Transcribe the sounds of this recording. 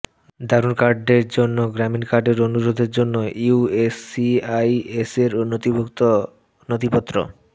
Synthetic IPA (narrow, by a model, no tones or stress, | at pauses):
d̪ʱaɾunkaɾɖeɾd͡ʑonːoɡɾaminkaɾɖeɾonuɾod̪ʱeɾd͡ʑonːoiuesiajeseɾonot̪ibʱokt̪o | not̪ipot̪ːɾo̰